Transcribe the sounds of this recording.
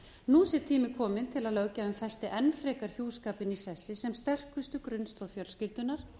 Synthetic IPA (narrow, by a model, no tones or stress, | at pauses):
nuːsɛt̪ʰiːmɪkʰɔːmɪnt̪ʰɪlaðlœːwcaːvɪnfɛst̪ɪʔɛnfɾɛːkaɾ̥çjuːskaːpɪnisɛsːɪsɛmst̪ɛr̥kʏst̪ʏkɾʏnst̪ɔðfjœlscɪlt̪ʏnaɾ̥